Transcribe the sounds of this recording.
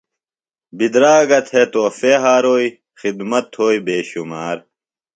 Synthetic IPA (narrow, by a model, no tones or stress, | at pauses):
bid̪ɾaːɡɐt̪ʰhet̪oːfeɦaːɾoːi | xid̪mɐt̪hoːibeːɕumaːɾ